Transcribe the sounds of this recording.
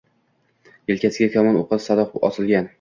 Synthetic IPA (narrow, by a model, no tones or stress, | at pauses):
jelkʲʰasɪɡʲakʲʰɒmɒnoqʰɑt̪sad̪ɒqɒ̰sɪlˠɡʲan